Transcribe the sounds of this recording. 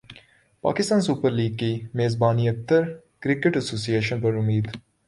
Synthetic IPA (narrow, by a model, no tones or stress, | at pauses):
pa̰ːkɪst̪ãːnsuːpəɾliːɡ̚kimeːzbaːniɐk̚t̪ːɐɾ | kɾɪkeʈɐsoːsijeːʃənpɐɾumiːd̪